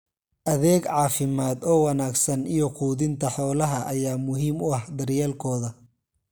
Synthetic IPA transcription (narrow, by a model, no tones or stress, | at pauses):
ʔɐðɛːɡʕɑːfɪmaːd̪ɔːwɑnaːɡsɐnijɔquːðɪnt̪ʰɐħɔːlɐɦɐʔɐjaːmʊɦiːmʊɐhd̪ɐrjaːlkʰɔːðɐ